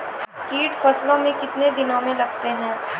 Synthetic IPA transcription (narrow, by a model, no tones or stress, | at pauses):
kiːʈfɐslõmẽkɪt̪ned̪ɪnõmẽlɐɡt̪eɦɛ̃ː